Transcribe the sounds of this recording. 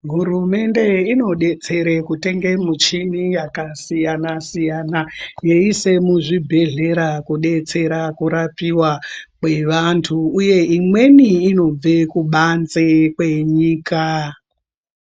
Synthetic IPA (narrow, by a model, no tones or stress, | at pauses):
ɦuɾume̞nde̞ino̞ɗe̞t͡se̞ɾekute̞ŋɡe̞mut͡ʃinijakasijanasijanajeise̞muʐibʱe̞ɮe̞ɾakuɗe̞t͡se̞ɾakuɾapiwakweʋantʰuːje̞imwe̞niːno̞b͡vekuɓanzekwe̞ɲiːka